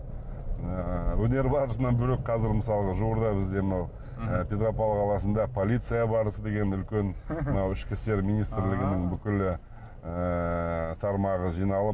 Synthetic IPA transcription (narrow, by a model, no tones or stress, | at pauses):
əwɵne̞ɾbɑɾəsənɑbʏɾe̞k̚qʰɑzɪɾməsɑlˠəʁəʒuwɾd̪ɑbɪzd̪e̞mənɑwˠ | əpʲe̞t̪ɾopolˠqʰɑlˠɑsənd̪ɑpʰo̞lʲit̪sɨjɑbɑɾəsəd̪e̞ɡʲe̞nʏlkʲe̞nənɑwɪʃkʲɪst̪e̞ɾmijnijst̪ɾlɪɡʲɪnɪŋbʏkʲɪlɪ | t̪ʰɑɾmɑʁəʒijnɑlˠə